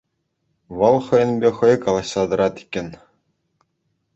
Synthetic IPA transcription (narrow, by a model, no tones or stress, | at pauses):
ʋɤ̆lˠχɤ̆jɤ̆nbʲeχɤ̆jkɑlˠɑɕlˠɑd̪ɤ̆ɾɑt̪i̥kʲːɘ̆nʲ